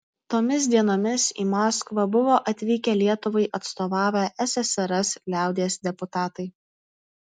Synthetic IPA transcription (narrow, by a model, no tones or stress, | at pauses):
t̪oːmʲɪs̬d̪ʲiɛnoːmʲɪsiːmɑːskʋɐbʊʋoːʔɐt̪ʲʋʲiːkʲɛlʲiɛt̪ʊʋɐɪʔɐt̪st̪oːʋɑːʋʲɛːʔɛsʲɛsʲɛɾɐslʲæˑʊd̪ʲisd̪ʲɛpʊt̪ɑːt̪ɐɪ